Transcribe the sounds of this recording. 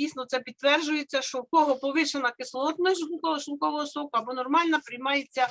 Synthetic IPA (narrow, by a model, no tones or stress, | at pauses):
ijsnɔt̪sɛpʲid̪t̪ʋɛrd͡ʒʊjet͡sʲːɐʃt͡ʃɔwkɔɦɔpɔʋɪʃenɐkɪslˠɔt̪mɪʒʊnˠkɔʋɔʃnkɔʋɔɦɔsɔkʊɐbɔnɔrmɑlʲnɐpɾɪjmɑjet͡sʲːɐ